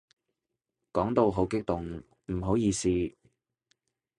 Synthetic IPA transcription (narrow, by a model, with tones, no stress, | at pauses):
kɔː˨˥ŋt̪o˨˧wɦo˨˥wkɪ˥k̚t̪ʊ˨ŋ | m̩˨˩ɦo˨˥wjiː˨˧siː˧